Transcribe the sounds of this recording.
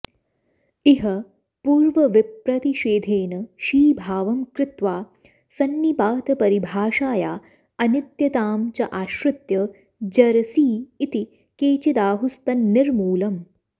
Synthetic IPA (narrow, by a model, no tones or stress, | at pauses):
iɦɐ | puːɾʋɐʋipɾɐt̪iʃeːd̪ʱeːnɐʃiːbʱaːʋɐmkɾɪt̪ʋaː | sɐnːipaːt̪ɐpɐɾibʱaːʃaːjaː | ɐnit̪jɐt̪aːmt͡ʃɐʔaːʃɾɐt̪jɐ | d͡ʒɐɾɐsiːt̪i | keːt͡ʃid̪aːɦust̪ɐnːiɾmuːlɐm